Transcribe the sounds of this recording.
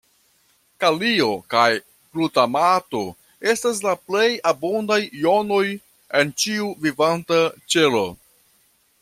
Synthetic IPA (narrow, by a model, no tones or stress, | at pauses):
kalio̞kaj | plutamato̞ | e̞stas̬laple̞jabondajːo̞no̞j | e̞nt͡ʃiuvivantat͡ʃe̞lo̞̰